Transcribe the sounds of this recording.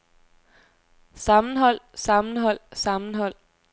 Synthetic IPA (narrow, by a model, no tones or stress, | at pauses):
sɑ̈mn̩ɦɒ̽l̰sɑ̈mn̩ɦɒ̽l̰sɑ̈mn̩ɦɒ̽l̰